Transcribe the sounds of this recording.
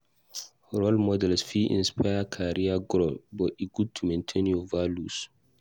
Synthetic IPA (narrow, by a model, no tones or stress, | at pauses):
ɹɔlmɔdɛlsfiʔḭ̃nspajakʰaɾɹiaɡɾolbɔtiɡud̚tʰumẽntʰẽnjovalus